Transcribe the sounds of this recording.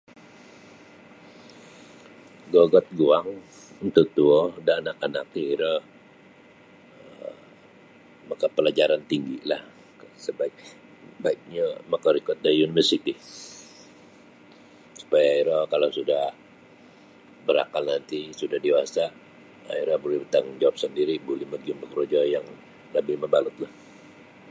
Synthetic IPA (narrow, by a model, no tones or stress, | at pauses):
ɡɔɡɔt̪̚ɡuaŋ | nt̪ut̪uɔdaːnakanak̚niiɾɔ | makapəlad͡ʒaɾant̪iŋɡilah | səbaik̚ | baik̚ɲamakaɾikʊt̪̚daunivərsit̪i | su̥pajaiɾakalawsudah | bəɾa̰kalnant̪isudahdewasa | a̰iɾahbolɛhbət̪aŋd͡ʒawap̚səndiɾibolɛhməɡiumbəkɾod͡ʒɔjaŋ | labɪlmabalʊt̪̚lah